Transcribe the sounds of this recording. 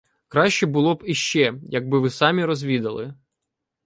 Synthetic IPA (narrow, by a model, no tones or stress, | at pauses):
kɾɑʃʲt͡ʃɛbʊlˠɔbiʃt͡ʃɛjɐɡ̚bɪʋɪsɑmʲiɾɔzʲʋʲid̪ɐlˠɪ̰